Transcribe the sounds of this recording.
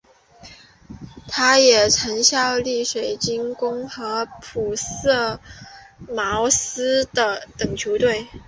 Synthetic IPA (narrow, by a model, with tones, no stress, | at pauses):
t̪ʰa˥jɛ˨˩ʈ͡ʂʰɤ˧˥ŋɕjɑ˥˧ʊli˥˩ʂwe˨˩ɪt͡ɕi˥nkʊ˥ŋxɤ˧˥pʰu˨˩sɤ˥˩ | mɑ˧˥ʊsɹ̩˥d̪ə˨t̪ə˨˩ŋt͡ɕʰjo˧˥ʊt̪we˥˩ɪ